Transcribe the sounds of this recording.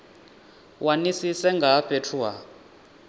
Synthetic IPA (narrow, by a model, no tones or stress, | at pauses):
wʔanisisɛŋɡʱaɸetʰuwa